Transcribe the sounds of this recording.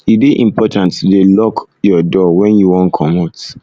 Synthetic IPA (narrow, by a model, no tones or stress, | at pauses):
ibeʔḭ̃mpʰɔtãntdelɔk | jɔdɔwɛ̃njuwɔ̃nkʰɔmɔt